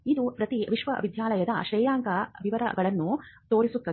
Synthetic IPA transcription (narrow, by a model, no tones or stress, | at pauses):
id̪upɾɐt̪iʋiʃʋɐʋid̪ʱjaːlɐjɐd̪ɐʃɐjjaːŋkɐʋiʋɐɾɐ̰ɡɐɭɐnːut̪o̞ːɾisut̪ːɐ